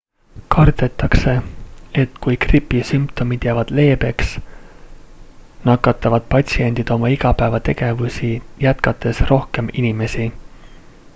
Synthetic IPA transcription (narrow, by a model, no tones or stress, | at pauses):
kɑrd̪e̞t̪ːˑɑkse̞e̞t̪ːˑkujkripːˑisympt̪o̞mid̪̥jævɑd̪̥le̞ːbe̞ks | nɑkːˑɑt̪ːˑɑvɑd̪̥̚pɑt̪ʲsie̞nʲd̪̥id̪̥o̞mɑiɡ̥ɑpæevɑt̪e̞ɡ̥e̞vusijæt̪kɑt̪ːˑe̞sro̞hke̞minime̞si